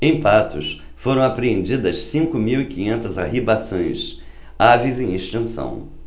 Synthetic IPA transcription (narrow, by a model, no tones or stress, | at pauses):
ẽj̃pat̪ʊ̰s | foɾɐ̃w̃apɾeẽnd͡ʒid̪ɐssĩŋkʊmiwikĩɲẽnt̪ɐzaɦibasõj̃s | avizẽj̃iʃt̪ẽsɐ̰̃w̃